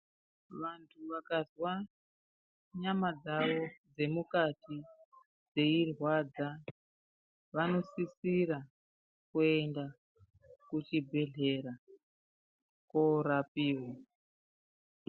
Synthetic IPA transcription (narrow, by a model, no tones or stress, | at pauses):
ʋantʰuʋakazwa | ɲamad͡zaʋo̞d͡ze̞mukati | d͡ze̞irwad͡za | ʋano̞sisiɾa | kue̞nda | kut͡ʃibʱe̞ɮe̞ɾa | koɾapiːwa